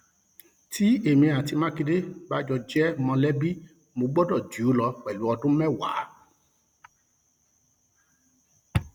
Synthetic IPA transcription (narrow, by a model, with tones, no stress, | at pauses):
ti˦e˦˨mĩ˧a˨ti˧mã˦ki˧de˦ba˦d͡ʒɔ˧d͡ʒɛ˦mɔ̃˧lɛ˦bi˦ | mõ˧ɡ͡bɔ˦dɔ˦˨d͡ʒu˨˦lɔ˧kɛ˨lu˨˦ɔ˧dũ˦mɛ̃˦˨wa̰˨˦